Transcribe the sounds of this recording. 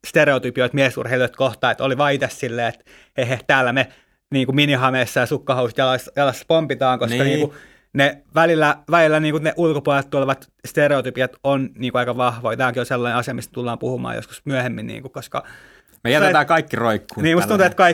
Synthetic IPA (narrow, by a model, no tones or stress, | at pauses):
st̪ereot̪ypioit̪miæsṵrheiloit̪koht̪ɑːet̪oliʋɑːit̪essilːeːet̪ | eheht̪æːlːæne | niːŋkuminihɑmeːsːɑjɑsukːɑhousi̥t̪jɑlɑsjɑlɑsːɑ̥pompit̪ɑːŋkoskɑniːŋku | neʋælilːæʋælilːæniːŋkuneʔulkopuɑlelt̪t̪uɑleʋɑt̪ | st̪ereot̪ypijɑt̪onniːŋkuɑikɑʋɑhʋoit̪æːkiolselːɑneɑsiɑmist̪t̪ulːɑːmpuhumɑ̰ːjo̰skusmyæhemːinnḭːŋkukoskɑ̰ | mejæt̪et̪æːkɑikːiroikːuːniːmust̪unt̪uet̪kɑi